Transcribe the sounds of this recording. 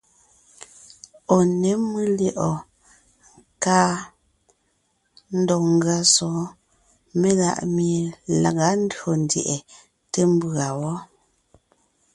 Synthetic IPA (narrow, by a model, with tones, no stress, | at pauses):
ɔ˨ne˨˦mɨ˦lje˦˨ʔɔ˨ | ŋ | kaː˦ | n̩˦dɔ˨ŋ̩˦ɡɰa˨sɔ˨˦ | me˦la̰˨ʔmi˨e˨la̰˨ɣa˦n̩˦dɰo˨n˨djɛ̰˨ʔɛ˨ | te˦m˦bɰa˨wɔ˦